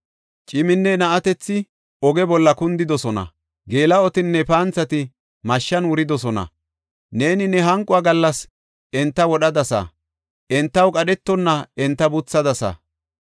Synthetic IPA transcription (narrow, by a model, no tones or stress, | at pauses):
t͡ʃʼɪmɪnːɛnɐʔɐt̪ɛt͡sːɪ | ɔɡɛbɔlːɐkʊnd̪ɪd̪ɔsɔnɐ̰ | ɡe̞ːlɐɔt̪ɪnːɛpaːnt͡sːɐt̪ɪ | mɐʃːɐnwʊɾɪd̪ɔsɔnɐ̰ | ne̞ːnɪnɛɦɐŋkʼːʊaɡɐlːɐs | ɛnt̪ːɐwɔɗɐd̪ɐsɐ̰ | ʔɛnt̪ːɐwkʼɐɗɛt̪ːɔnːɐɛnt̪ːɐbʊt͡sːɐd̪ɐsɐ̰